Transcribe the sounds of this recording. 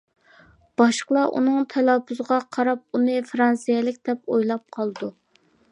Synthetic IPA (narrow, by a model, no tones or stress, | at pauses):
b̥ɑʃqəlˠɑʔṵnɨŋt̪ʰɛlɑpʰuzəʁɑqʰɑɾɑp̚unɨfɾɑnsijɛlɪk̚ʲd̪ɛpojlˠɑp̚qʰɑlˠd̪u